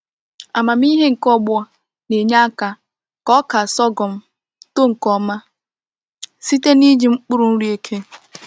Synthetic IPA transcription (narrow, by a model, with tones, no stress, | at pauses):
a˨ma˨m˦i˦ɦe˦ŋ̩˨kɔ˦ɡ͡bʊ˦a˨ | ne˨ɲa˦a˦ka˨ | kɔ˦ka˨sɔ˦ɡɔ˨m̩˦ | to˦ŋ̩˨kɔ˦ma˦ | si˦te˦ni˦d͡ʒi˨ŋ͡m̩˦k͡pʊ˦ɾu˨n̩˦ɾi˦e˦kʰe˦